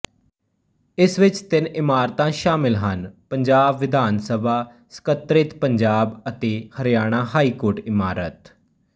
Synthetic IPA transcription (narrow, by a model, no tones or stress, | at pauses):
ɪsʋɪt͡ʃt̪ɪnɪmaːɾt̪ãːʃaːmɪlɦənpəɲd͡ʒaːbʋɪd̪ʱaːnsəbʱaː | sə̥kət̪ɾɪt̪pəɲd͡ʒaːbət̪eːhəɾjaːɽ̃ãːɦaːiːkoːɾʈɪmaːɾət̪